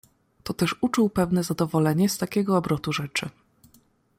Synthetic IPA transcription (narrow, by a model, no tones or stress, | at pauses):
t̪ɔt̪ɛʂut͡ʂuwpɛvnɛzad̪ɔvɔlɛɲɛst̪akʲɛɡɔːbɾɔt̪uʐɛt͡ʂɘ